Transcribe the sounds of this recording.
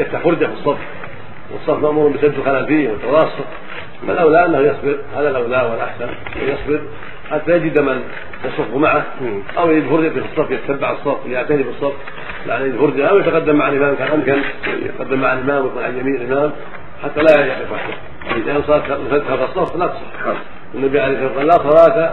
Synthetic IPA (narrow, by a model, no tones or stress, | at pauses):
jaft̪aħfʊɾˤd͡ʒafisˤːɑbf | wɨ̰sˤːɑfmaʔmuːɾʊmbɪsabd̪ɪlxɪlaːlfiːhwɪt̪ːɑwɑːsˤʊt̪ | alʔawlaʔanːahjɑsˤbɪɾhaːðalʔawlaːʔwɪlʔa̰ħsananːa̰hujɑsˤbɪɾ | ħat̪ːajad͡ʒɪd̪aman | jɑsˤʊfːmaʕah | ʔawjad͡ʒiːd̪fʊɾˤd͡ʒafifisˤːɑbfjɪt̪ḁt̪abːaʕɨsˤːɑbfwjaʕt̪anibɨsˤːɑf | la̰njɪd̪hʊɾˤd͡ʒaawjat̪aqɑd̪ːamːaʕalʔɪmaːmkaːnʔamkan̰j̰t̪qɑd̪ːamːaʕalʔɪmaːmwɪkunʕaljamiːnlʔɪmaːm | ħat̪ːalajajaʕt̪ɪfwaħd̪a | ɪd̪aːnsˤɑt̪ansahaðasˤɑflat̪sˤɑ̰ħ | wɪnːabiʕalehsaaqɑːlasˤɑɾˤɑːka